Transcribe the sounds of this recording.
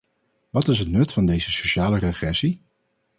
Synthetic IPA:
ʋɑtɪsɦətnɵtfɑndejzəsoʃaːlərəχrɛsi

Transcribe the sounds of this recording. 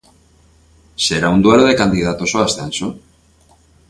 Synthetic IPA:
se̞ɾaund̪ueloðe̞kand̪iðat̪o̞so̞ast̪eanso

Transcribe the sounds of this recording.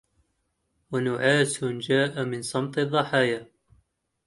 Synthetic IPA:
wanʊʕaːsʊnd͡ʒaːʔamɪnsˤɑmt̪ˤɨðˤːɑħaːja

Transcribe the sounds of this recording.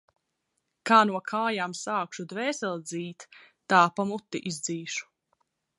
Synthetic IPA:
kaːnuɔkʰaːjaːmsaːkʃud̪vɛːsɛlˠd̪ziːt̪ː | aːpamut̪ːiʔizd̪ziːʃu̥

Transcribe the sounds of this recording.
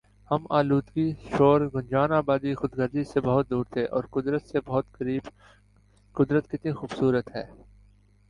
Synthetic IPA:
hɐmaːluːd̪ɡiʃoːɾɡʊnd͡ʒaːnaːbaːd̪ixʊd̪ɡɐɾd̪isebɐɦʊt̪̚d̪uːɾt̪ʰeːʔɔːɾkʊd̪ɾət̪sebɐɦʊt̪kɐɾiːb | kʊd̪ɾət̪kɪt̪nixuːbsuːɾət̪ɦɛ̰ː

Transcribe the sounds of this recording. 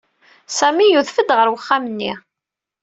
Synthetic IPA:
sæmijuðfəd̪ʁəɾwəχːamənːḭ

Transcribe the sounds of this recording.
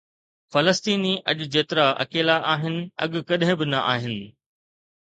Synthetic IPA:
fɐləst̪iːniʔɐʄʊd͡ʑeːt̪ɪɾaʔɐ̰keːlaʔaːɦɪnɪ̆ɐ̰ɠʊkɐɗɦɪ̃bɪnɐʔa̰ːɦɪnɪ̆

